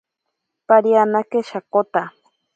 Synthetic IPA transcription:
paɾjanakeʃakot̪a

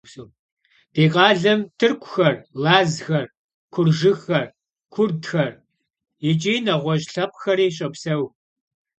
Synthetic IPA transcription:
soː | d̥eːqʼɑːɮɐmtʰɨrkʷʰʼʊxɐrlaːzxɐr | kʷʰʊrʒɨxɐr | kʷʰʊrdxɐr | jɪt͡ʃʼiːnɐʁʷɔʑɬɐpʼxɐɾiːɕ̬ʼɐpsɐw

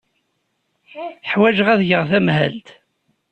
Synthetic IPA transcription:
ħwæʒʁæðʝəʁθæmɦæ̰lt̪

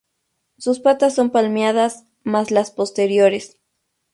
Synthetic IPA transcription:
suspat̪asːo̞mpalmjaðas | maslaspo̞st̪eɾjo̞ɾes

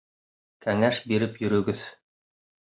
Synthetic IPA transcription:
kæŋæʃbiɾɘpjɵ̆ɾɵ̆ɡɘð

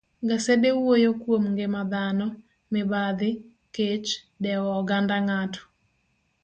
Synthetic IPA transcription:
ɡasedewojokwomŋɡemad̪anɔ | mɪbad̪ɪ | ket͡ʃ | dɛwɔːɡandaŋatɔ̥

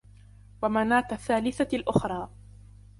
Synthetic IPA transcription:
wamanaːt̪aθːaːlɪθalʔʊxɾˤɑː

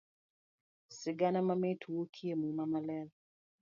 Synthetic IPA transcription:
sɪɡanamametʰuwokʰiemumamalɛl

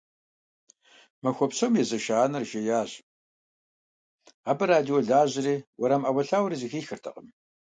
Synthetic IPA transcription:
mɐxʷɔpɕomjɛzɐʃaːnɐrʒɐjaːʑ | aːbɐɾaːdioɮaːʑɪriːwɔɾaːmʔɐwɐɬaːwɾizixiːxɨrtʰɐ̰qʼəm

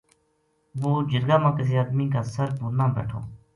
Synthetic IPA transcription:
ʋoːd͡ʒɪɾɡaːmãːkɪs̬eːaːd̪miːkaːsəɾpuːɾnãːmbɛ̰ːʈʰo̰ː

